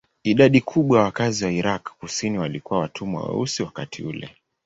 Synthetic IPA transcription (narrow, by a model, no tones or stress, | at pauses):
iɗaɗikʰuɓwajawakaziwaiɾakkusiniwalikuwawatʰumwwa̰wɛ̰usiwakatʰḭulɛ̰